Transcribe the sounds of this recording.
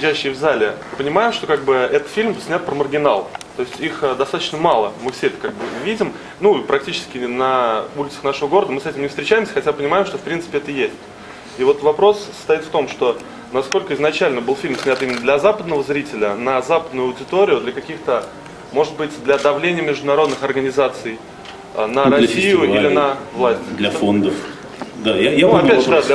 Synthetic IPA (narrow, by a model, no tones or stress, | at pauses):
ɪd͡ʑʲæɕːɪːvzalʲɪɨpənʲɪmajɪmʂt̪o̞kaɡ̚bɨɛt̪ət̪fʲilʲmsʲnʲat̪pɾəmərɡʲɪnalˠt̪o̞ɪsʲtʲixd̪ɐst̪at̪ə̥t͡ɕnəmalˠəmɨfsʲeɛt̪ə̥kaɡ̚bɨvʲidʲɪm | nuipɾɐk̚tʲit͡ɕɪ̥skʲɪnɐulʲɪt̪sə̥xnaʂəvəɡo̞ɾəd̪əmɨsɛtʲɪmnʲɪft̪ɾʲɪt͡ɕæjɪmsʲə̥xɐtʲapənʲɪmajɪmʂt̪ofpɾʲint̪sɨ̥pʲɪɛt̪əjesʲtʲ | ivo̞t̪vɐpɾo̞sə̥st̪ɐit̪ft̪o̞mʂt̪o̞ | nɐsko̞lʲkəɪznɐt͡ɕælʲnəbɨlˠfʲilʲmsʲnʲat̪imʲɪnːəd̪lʲɐzapəd̪nəvəzɾʲitʲɪlʲənəzapəd̪nʊjʊɐʊdʲɪt̪o̞ɾʲɪjʊd̪lʲəkɐkʲixt̪ə | mo̞ʐɨt̪̚bɨtʲd̪lʲɐd̪ɐvlʲenʲɪjəmʲɪʐd̪ʊnɐɾo̞d̪nɨxɐrɡənʲɪzat̪sɨj | ə̰nəɾɐsʲijʊilʲɪnəvlˠasʲtʲɪlʲfond̪əf | d̪ajajɐpʲæʒd̪ad̪lʲ